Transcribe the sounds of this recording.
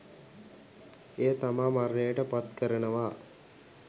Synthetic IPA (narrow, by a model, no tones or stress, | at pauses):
eːt̪amaːmaɾnəjəʈəpat̪kəɾənəʋaː